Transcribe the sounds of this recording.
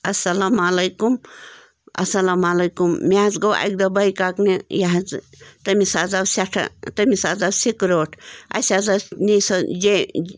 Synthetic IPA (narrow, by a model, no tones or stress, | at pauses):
ɐsɐlamalɐjkum | ɐ̰sɐlamalɐjkumːʲad͡zɡɐwʔa̰k̚d̪ɐbɐjkaknijaɦd͡z | t̪ɐmisazabsʲaʈʰɐ̰t̪ɐmisad͡zabsikɾoːʈʰɐ̰sʲazanisɐd͡ʒe